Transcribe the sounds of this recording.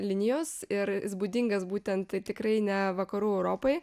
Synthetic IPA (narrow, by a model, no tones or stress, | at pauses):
lʲɪnʲɪjoːsɪɾɪzbud̪ʲɪŋɡɐsbuːt̪ʲɛnt̪t̪ɐɪt̪ʲɪkɾɐɪnʲɛʋɐkɐɾuːɛʊɾoːpɐɪ